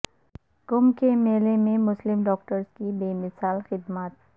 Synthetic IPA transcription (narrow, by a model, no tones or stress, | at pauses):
kʊmkemeːlemẽmʊslɪmɖɔːkʈəɾskibeːmɪsaːlxɪd̪maːt̪̚